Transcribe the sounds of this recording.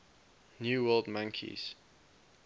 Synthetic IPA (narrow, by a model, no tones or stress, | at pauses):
njuːwɜlˠdmãŋkʰḭz̥